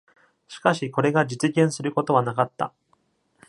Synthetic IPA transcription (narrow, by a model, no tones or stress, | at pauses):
ɕi̥kaɕiko̞ɾe̞ɡad͡ʑit͡sɨɡẽɰ̃sɨɾɯ̟ko̞t̪o̞βanakat̪ːa̰